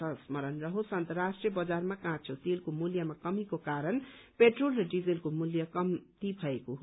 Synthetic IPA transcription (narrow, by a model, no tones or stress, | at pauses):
ʌsmʌɾʌnrʌɦosʌnt̪rasʈrijʌbʌd͡zarmakãt͡sʰot̪elkomuljamakʌmikokaɾʌnpeʈrolrʌɖid͡zilkomuljʌkʌmt̪ibʱʌekoɦ